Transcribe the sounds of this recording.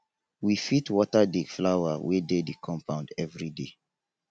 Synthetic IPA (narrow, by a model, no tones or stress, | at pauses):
wifitwɔtadikflawawededikʰɔ̃mpãʊ̃ndɛvɹide